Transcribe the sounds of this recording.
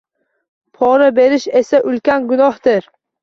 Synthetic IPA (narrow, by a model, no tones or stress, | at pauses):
pʰɒɾabe̞ɾɪʃe̞saʔʊlkʲanɡʊnɒhd̪ɪɾ